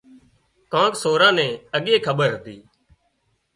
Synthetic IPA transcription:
kãːksoːɾãːnɛ̃ːəɠeːkʰəɓəɾət̪iː

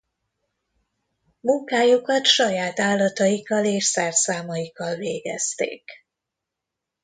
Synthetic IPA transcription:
muŋkaːjukɒt̪ʃɒjaːt̪aːlːɒt̪ɒjikːɒleːʃsɛrsaːmɒjikɒlveːɡɛst̪ḛːk

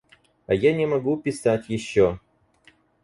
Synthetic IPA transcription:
ɐjanʲɛmɐɡupʲɪsatʲjɪɕːo

